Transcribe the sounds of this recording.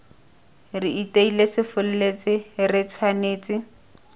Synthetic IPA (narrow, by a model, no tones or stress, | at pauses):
rɪiteilesɪfʊl̩let͡sɪrɪt͡sʰwaneːt͡sʼɪ